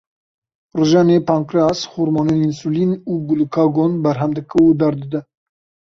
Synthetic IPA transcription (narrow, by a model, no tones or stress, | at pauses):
rɨʒɑːnepʰɑːŋkɾɑːsxuɾmɑːneinsulinuːɡulukʰɑːɡonbɛɾɦɛmd̪ɨkɨud̪ɛɾd̪ɨd̪ɛ